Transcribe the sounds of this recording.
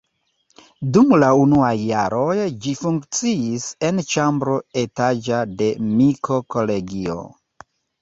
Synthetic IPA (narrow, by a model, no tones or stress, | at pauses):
dumlaunuajːaɾo̞jd͡ʒifuŋkt͡siise̞nt͡ʃambɾo̞e̞tad͡ʒade̞mikʰo̞ko̞le̞ɡio̰